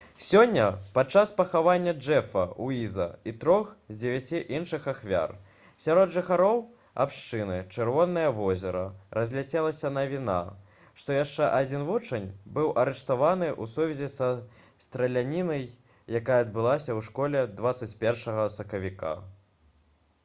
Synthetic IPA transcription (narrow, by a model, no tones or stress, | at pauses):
sʲɔnʲːɐpat͡ʂaspɐxavanʲːɐd͡ʐɛfɐ̰uizɐ̰it̪ɾɔxzʲd͡zʲɪvʲat͡sʲiʔinʂɨxaxvʲa̰r | sʲaɾɔd̪ʐɨxaɾɔw | a̰pʂt͡ʂɨnɨt͡ʂɨrvɔnːɐjɐvɔzʲɛɾɐɾɐzʲlʲat͡sʲɛlˠɐsʲɐnɐvʲina̰ | ʂt̪ɔjaʂt͡ʂɛʔad͡zʲinvut͡ʂɐnʲbɨwʔɐɾɛʂt̪avanɨʔusuvʲɛzʲɛsɐ | st̪ɾɐlʲanʲinɐjː | akajɐːd̪bɨlˠasʲɐwʂkɔlʲɛd̪vat̪sɐt͡sʲpʲɛrʂɐɣɐsɐkɐvʲika̰